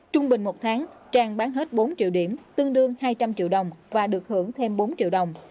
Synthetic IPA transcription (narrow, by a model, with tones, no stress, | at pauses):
t͡ɕʊ˧ŋ͡mɓï˨˩ŋ̟mo˨˩t̚t̪ʰaː˨˦ŋt͡ɕaː˨˩ŋɓaː˨˦nɦe˦˥t̚ɓo˨˦nt͡ɕḭ˧˨əwɗi˧˩əmt̪ɨ˧əŋɗɨ˧əŋhaː˧jt͡ɕa˧mt͡ɕḭ˧˨əwɗə˨˩wŋ͡mvaː˨˩ɗɨ˨˩ək̚hɨ˧˩əŋt̪ʰe˧mɓo˨˦nt͡ɕḭ˧˨əwɗə˨˩wŋ͡m